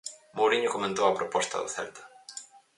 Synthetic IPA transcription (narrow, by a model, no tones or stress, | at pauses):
mowɾiɲʊkomẽnt̪owɐpɾopɔst̪ɐ̰ðʊ̰θɛ̰lt̪ʊ̥